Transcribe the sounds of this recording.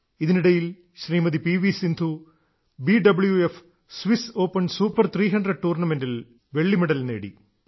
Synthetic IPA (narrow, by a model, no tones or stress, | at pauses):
iðiniɽɐjil | ɕriːmɐðipiːʋisind̪ʱu | biɖɐbɨɭjuef | sʋiso̞ːpːɐnsuːpːɐrt̪ʰriːɦɐɳɖrɐɖ̚ʈuːrnɐme̞ndil | ʋe̞ɭːimeɽɐlne̞ːɽḭ